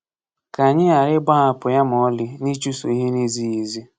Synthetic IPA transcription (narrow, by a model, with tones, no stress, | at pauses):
ka˨ɲɪ˦a˨ɾɪ˦ɡ͡ba˦a˨pʊ˨ja˦m˨ɔ˦lɪ˦ni˦t͡ʃu˦so˨i˦ɦe˦ni˦zi˦ji˨zi˦